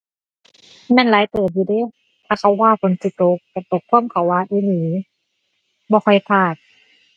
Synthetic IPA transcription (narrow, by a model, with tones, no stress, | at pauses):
mɛː˧˥˨nlaː˨˦jt̪uː˨˩iː˧˩deː˧˥˨ | t̪ʰaː˧˩kʰa˧˩wːaː˧˩kʰo˧˦nsi˧˦t̪o˧˦k̚tɛ˧˩t̪o˨˩kʰːu˧˥˨mkʰa˨˩˦wːaː˧˩ʔi˧˦lɯː˨˦ | bɔː˧˦kʰɔ˧˩jp̪ʰaː˧˩t̪̚